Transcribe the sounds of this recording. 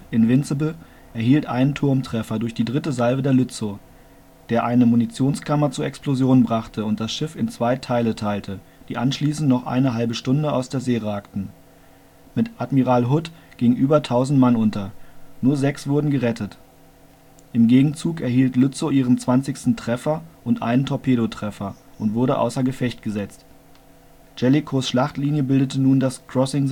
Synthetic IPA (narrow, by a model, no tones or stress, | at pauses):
ʔɪnvɪnt͡səbl̩ | ʔɛɐɦiːltʔa̰ɪnəntʰʊɐmtʁ̥ɛfɐdʊɐçd̥iːdʁɪtəzalbədeːɐlʏt͡so | d̥eːɐʔaɪnəmunit͡sjoːnskʰamɐt͡suɐɛksplozjoːnbʁaχtʰəʊnt̚d̥asʃɪfɪnt͡sv̥aɪtʰaɪlətʰaɪltʰə | d̥iːʔanʃliːsn̩tnɔχʔa̰ɪnəɦalbəʃtʊndəa̰ʊsd̥eːɐzeːʁaːktn̩ | mɪtʔatmiʁaːlɦʊtɡ̥ɪŋənʔyːbɐtʰaʊzn̩tmanʔʊntʰɐnuːɐzɛksv̥ʊɐdn̩ɡəʁɛtʰət | ʔɪmɡeːɡŋ̩t͡suːkɛɐhiːltlʊt͡soʔiːʁ̞ənt͡sv̥ant͡sɪçstn̩tʁ̥ɛfɐʔʊntʔa̰ɪnəntʰɔpʰeːɾotʁ̥ɛfɐʔʊntv̥ʊɐɾəʔa̰ʊsɐɡəfɛçt̚ɡ̥əzɛt͡st | d͡ʒ̥ɛlikʰosʃlaχtliːnjəbɪldətənuːndaskʁ̥ɔsɪŋ